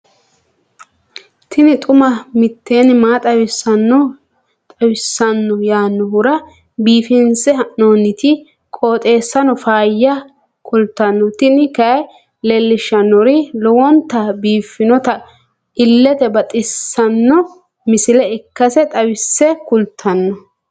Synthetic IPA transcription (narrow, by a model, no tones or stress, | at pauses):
t̪ɪnɪt̪ʼʊmɐmɪt̪ːeːnɪmaːt̪ʼɐwɪsɐnːɔ | t̪ʼɐwɪsːɐnːɔjaːnːɔhʊɾɐ | biːfɪnsɛhɐʔnoːnɪt̪ɪ | kʼoːt̪ʼe̞ːsːɐnɔfaːjːɐ | kʰʊlt̪ːɐnːɔt̪ɪnɪkɐj | lɛlːɪʃːɐnːɔɾɪlɔwɔnt̪ːɐbiːfɪnɔt̪ɐ | ɪlːɛt̪ɛbɐt̪ʼɪsːɐnːɔ | mɪsɪlɛɪkːɐsɛt̪ʼɐwɪsːɛkʊlt̪ʰːɐnːɔ